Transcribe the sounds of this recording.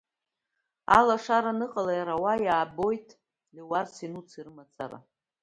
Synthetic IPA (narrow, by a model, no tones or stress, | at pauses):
a̰laʂaɾanɨqʼalajaɾawajaːbo̞jtʼʰ | liwarsinut͡sʰirɨmat͡sʰa̰ɾa̰